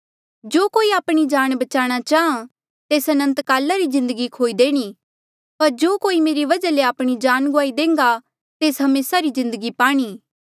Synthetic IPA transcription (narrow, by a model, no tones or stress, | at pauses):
d͡ʒoːkoːiaːpɽ̃id͡ʒaːɽ̃bɐt͡ʃaːɽ̃at͡ʃaːã | t̪eːsɐnə̃nt̪kaːlaɾizɪ̃nd̪əɡikʰoːid̪eːɽ̃iː | pɐɾd͡ʒoːkoːimeːɾiʋɐd͡ʒaleaːpɽ̃id͡ʒaːnɡʊaːid̪ẽːŋɡa | t̪eːsɦɐmeːsaɾizɪ̃nd̪əɡipaːɽ̃iː